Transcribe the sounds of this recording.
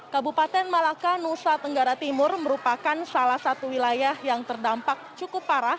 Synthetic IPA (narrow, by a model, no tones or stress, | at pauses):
kabupat̪ɛnmalakanusat̪əŋɡaɾat̪imʊrməɾupakansalahsat̪uwilajahjaŋt̪ərdampak̚t͡ʃukʊpːaɾah